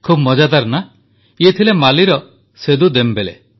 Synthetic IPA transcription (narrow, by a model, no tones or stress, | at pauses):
kʰubmɔd͡ʒad̪aɾna | iet̪ʰilemaliɾɔ | sed̪ud̪embelḛ